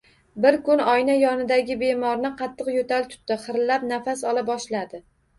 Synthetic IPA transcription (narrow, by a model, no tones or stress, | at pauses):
bɪɾkʊnɒjnajɒnɪd̪aɡʲɪbe̞mɒɾnɪqʰɑt̪ʰːɨqjot̪ʰalt̪ʰʊ̥t̪ːɪχɨɾlap̚nafasɒlˠabɒʃlad̪ɪ